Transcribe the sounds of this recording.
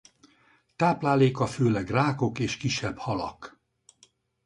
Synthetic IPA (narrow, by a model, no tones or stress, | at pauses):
t̪aːplaːleːkɒføːlɛɡraːko̞keːʃkiʃːɛbhɒlɒ̰k